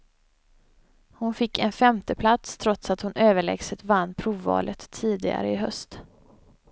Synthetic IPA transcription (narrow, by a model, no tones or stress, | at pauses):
hʊnfɪkːɛnfɛmt̪əpʰlat̪st̪ʰɾɔt̪sat̪hʊnʔøːvəɭɛ̰ɡsət̪vanːpʰɾuːvːɑ̰ːlʔət̪ʰːiːd̪ɪɡa̰ɾəɪɦœst̪